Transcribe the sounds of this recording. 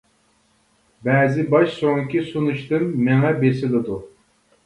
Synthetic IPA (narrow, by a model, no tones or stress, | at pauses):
bɛːzɪbɑʃsoŋkʲisunuʃt̪ɨmːeŋɛbesɪlɪd̪u